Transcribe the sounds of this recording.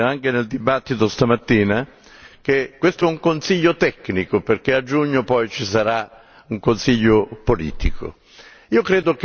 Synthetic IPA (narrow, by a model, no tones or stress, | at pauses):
aŋk̟eneld̪ibat̪ːit̪ost̪amat̪ːiːna | kekwest̪oɛuŋkonsiʎːot̪ɛkːnikoperkead͡ʒuɲːopɔjt͡ʃisaɾa | uŋkonsiʎːopolḭːt̪ikʰo̰ | iːokɾeːd̪ok